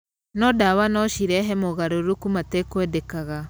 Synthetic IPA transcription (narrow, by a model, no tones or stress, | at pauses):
nɔdawanɔʃiɾɛɦɛmoɣaɾoɾukumatekwɛdɛkaɣa